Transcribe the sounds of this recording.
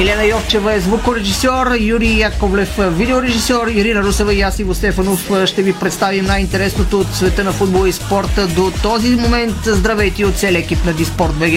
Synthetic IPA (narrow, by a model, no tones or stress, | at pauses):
ɛlɛnɐjɔft͡ʃɛvəɛzvukoɾɛʒisɔɾjuɾijakoblɛfvid̪ɛoɾɛʒisɔɾiɾinəɾusɛvəiasivost̪ɛfɐnofʃt̪ɛvipɾɛt̪st̪avimnajint̪ɛɾɛsnot̪oːt̪svɛt̪ənɐfud̪bolˠəispɔɾt̪əd̪ot̪ɔzimomɛnt̪zd̪ɾɐvɛjt̪iot̪t̪sɛlʲɛkipnɐd̪ispɔɾt̪bɛɡ